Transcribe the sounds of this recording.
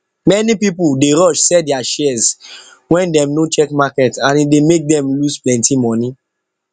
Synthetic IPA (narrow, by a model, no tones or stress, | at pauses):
mɛnipipuldeɹɔʃsɛdɛaʃɛz | wɛ̃ndɛ̃mnot͡ʃɛkmakɛtãnidemek̚dɛ̃mlusplɛ̃ntimɔni